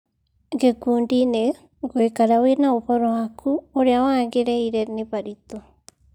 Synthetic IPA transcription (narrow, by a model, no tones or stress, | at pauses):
ɡekundine | ɡeikaɾawenaopoɾohakʰuoɾeawaɡeɾeiɾeɾnipaɾit̪o